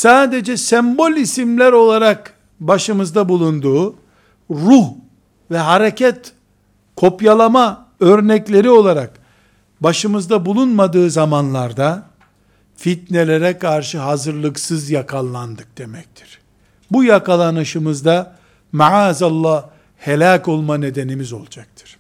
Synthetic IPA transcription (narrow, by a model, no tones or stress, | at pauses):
saːd̪e̞d͡ʒɛsɛmbo̞lʲisimlʲæɾo̞lˠaɾak | baʃɯmɯzd̪abulˠund̪uː | ɾuh | vɛɦaɾe̞cʰɛt̪ | kʰo̞pjalˠama | øɾnɛclʲe̞ɾio̞lˠaɾak | baʃɯmɯzd̪abulˠunmad̪ɯːzamanlˠaɾd̪a | fit̪ne̞lʲe̞ɾɛkʰaɾʃɯɦazɯɾlˠɯksɯzjakʰalˠːand̪ɯk̚d̪̥e̞mɛc̚t̪ʰi̥ɾ̥ | bujakalˠanɯʃɯmɯzd̪a | maʕaːzalˠːa | he̞lʲaːko̞lˠmane̞d̪e̞nimizo̞̰lˠd͡ʒak̚t̪ʰɯ̥ɾ̥